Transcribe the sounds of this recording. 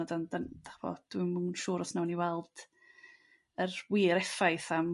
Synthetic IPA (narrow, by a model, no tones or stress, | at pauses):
ɔdandand̥aχb̥ɔ̰d̥wimunʃuːɾɔsnawniwɛlˠd̥ | ərwiːɾɛfajθam